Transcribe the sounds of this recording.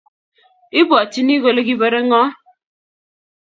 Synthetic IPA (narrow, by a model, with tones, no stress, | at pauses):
i˦bɔ˨ti˦ni˦ɣo˨le˦ki˦be˦ɾe˦ŋɔ˦